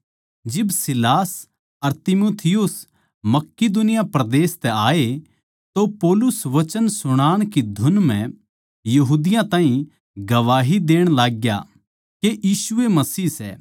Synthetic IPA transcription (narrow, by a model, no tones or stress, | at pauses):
d͡ʒɪbsɪlaːs | ɐɾt̪ɪmoːt̪ʰɪjʊs | mɐkːɪd̪ʊnɪjapɾɐd̪eːst̪ɛaːe | t̪opɔːlʊsʋɐt͡ʃənsʊɽ̃aːɽ̃kid̪ʱʊnmɛ̃ | jɐɦuːd̪ɪjãt̪ãːɦĩ | ɡɐʋaːɦid̪eːɽ̃laːɡja̰ | keʔjiːsʊemɐsiːsɛ̰ː